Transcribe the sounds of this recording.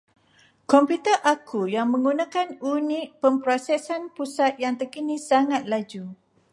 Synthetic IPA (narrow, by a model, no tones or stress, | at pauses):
kɔmpjut̪əʔakʰujaŋmə̃ŋɡunãkanunĩʔpəmpɾosɛsanpusat̪̚jaŋt̪əkinĩsaŋat̪̚lad͡ʒu